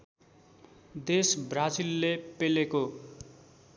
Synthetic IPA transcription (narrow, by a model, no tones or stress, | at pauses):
d̪esbrad͡zilːepeleko